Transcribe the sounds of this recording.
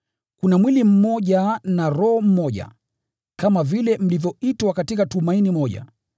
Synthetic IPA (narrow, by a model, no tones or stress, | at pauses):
kunamwilim̩mɔʄanaɾɔhɔm̩mɔʄa̰ | kamavilɛm̩livjɔitwakatikatumainimɔʄa̰